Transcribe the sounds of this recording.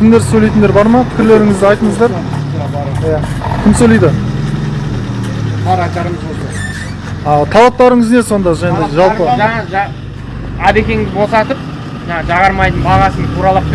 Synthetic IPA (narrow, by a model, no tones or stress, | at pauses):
kʲʰɪmd̪e̞ɾsɵlet̪ɪnd̪eɾbɑɾmɑpʰɪ̥kʲɪɾle̞ɾɪŋɪzd̪ɪɑjt̪əɴəzd̪ɑɾ | jakʲʰɪmsɵlejd̪ɪ | ɑt̪ʰɑlˠɑp̚t̪ɑɾəɴəzne̞so̞nd̪ɑʒɑjɑnd̪ɑʒɑlpəʒɑɑʒ | æb̪e̞kʲe̞ŋɪzbo̞sɑt̪əp̚ | ʒɑɴɑʒɑʁɑɾmɑjd̪ənbɑʁɑsənt̪ʰuɾɑlˠɑp̚